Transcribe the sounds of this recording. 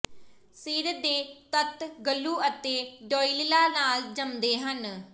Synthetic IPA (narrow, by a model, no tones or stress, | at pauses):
siːɾəd̪eːt̪ət̪ɡəlːuːət̪eːɖɔːiːlɪlaːnaːld͡ʒəmd̪eːɦən